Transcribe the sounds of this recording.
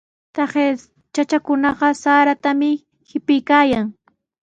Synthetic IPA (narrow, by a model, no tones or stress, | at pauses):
t̪ɑχe | t͡ʃat͡ʃakʊnɑɢɑsaːɾat̪amɪ | hɪpɪjkaːjaŋ